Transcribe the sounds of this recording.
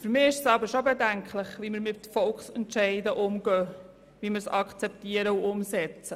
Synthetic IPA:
fyɾmɪːɪʃsɑbəɾʃobɛdæŋkχləχʋiməɾmɪt̪fɔlkχsɛntʃɛɪdəʔʊmɡœː | ʋiməɾsɑkʰt͡sɛptiəɾəuʔʊmsɛt͡sə

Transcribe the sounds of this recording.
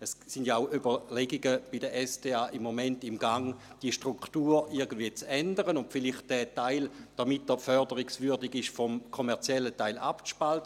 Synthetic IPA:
əssindjaaʊʔybɐleɡiɡəb̥idəʔɛsdeːaːʔimːomɛntimɡaŋ | d̥iəʃtʁuktuːiɐɡəndviət͡sɛndəʁənʊntfiliχt̚d̥ɛtaɪld̥amitːəfœɐdəʁiksvyɐdiɡɪʃfɔmkʰomɛɐt͡sjɛlːətaɪlʔa̰pʃpaltə

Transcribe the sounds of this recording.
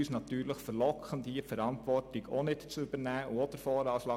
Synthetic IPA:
yːsnɑtyːɾləχfəɾlɔkʰχəndifəɾɑntʋɔrtɪɡonɪtt͡sʏb̥əɾnæːʊod̥əfɔːɾɑːʃlɑ

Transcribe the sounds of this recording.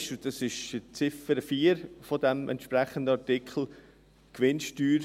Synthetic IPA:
ʃdɑsɪʃt͡sɪfəɾəfiːəɾfɔdɛmʔɛ̰nt̪ʃpɾɛχəndəɑtɪkχl̩ | kʋɪnʃtyːɾ

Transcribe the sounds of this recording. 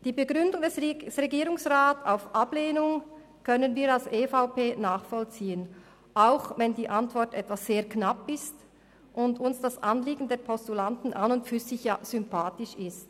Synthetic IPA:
d̥iːbəɡʁʏndʊŋdɛssʁeɡiːɾʊŋsʁaːtaʊfʔableːnʊŋ | kʰœnənviːɾalsʔeːfaʊpeːnaːχfɔlt͡siːən | ʔaʊxvɛndiːʔantv̥ɔʁtɛtv̥asːeːɐknapɪst | ʔʊndʊnsd̥asʔanliːɡn̩dɛːɐpʰɔstulantn̩ʔanʊntfyːzɪçjaːz̥ʏmpʰaːtɪʃɪst

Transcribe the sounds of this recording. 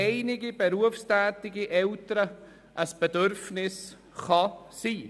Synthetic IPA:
ɛɪnɪɡibeɾuəfstæːt̪ɪɡiʔɛltəɾə | ʔəsb̥ɛdøɾfnɪs | χɑ | siː

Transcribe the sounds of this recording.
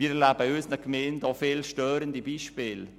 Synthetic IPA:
iːɛlæbəøːsnəkmeːndɔːfɪlʃtøːɾəndibiːʃpɪːl

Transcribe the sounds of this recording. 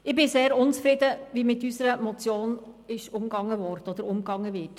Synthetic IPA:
ɪbɪseːɾʊnt͡sfɾɪd̪əʋimɪt̪ːysəɾəmɔt͡sjoːnɪʃʊmɡɑŋːəʋɔɾtɔd̪əɾʊmkɑŋːəʋɪːt

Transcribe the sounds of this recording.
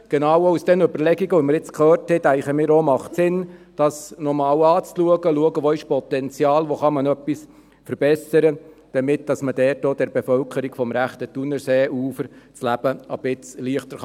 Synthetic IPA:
ɡ̥enɑwəusd̥ɛnɵbəɾlɛɡiɡəʋɔməɾjɪt͡skʰχøːrthɛt̪æɪχəmɪːɾomɑχtsɪnd̥ɑsnɔmɑːwɑːt͡sluəɡəluəɡəʋoːɪʃpɔt̪ɛnt͡sjɑːlʋoχɑmɑnœpːis | fəɾb̥ɛsəɾə | d̥ɑmɪt̚d̥ɑsməd̥ɛːt̚doːd̥ɛɾbefœlkʰəɾiɡ̥fɔmɾæχt̪ətunəɾseːʔuːfəɾt͡slæb̥əəb̥ɪt͡sliəχt̪əɾ

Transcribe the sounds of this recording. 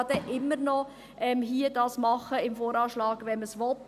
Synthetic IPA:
d̥̪ɛʔɪmːəɾnɔ | ʔɛmɦiːədɑːsmɑχəɪmfoːɾɑːʃlɑːɡ̥ʋɛnməsʋɔt

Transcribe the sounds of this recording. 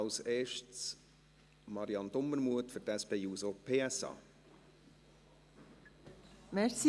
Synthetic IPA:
ɑʊseːʃtt͡s | mɑɾiɑnd̪omːəɾmuətfʏtæspeːjuːsopʰeːɛsɑ̰ː | mɛsi

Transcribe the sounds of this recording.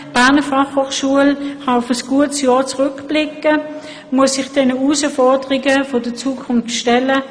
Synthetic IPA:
b̥æɐnəfɑχhoːχʃuəlhɑʊfəsɡ̥uətsjɑːɐt͡sʁʏkb̥lɪkːə | muəsɪχd̥ɛnəuːsəfɔɐdəʁɪɡəfodət͡suːkʰʊnfʃtɛlə

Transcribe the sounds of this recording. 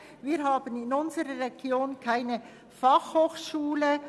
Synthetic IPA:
viːɾɦaːbənɪnʊnzəɾəʁeɡ̥joːnkʰaɪnə | fɑχhoːxʃuːlə

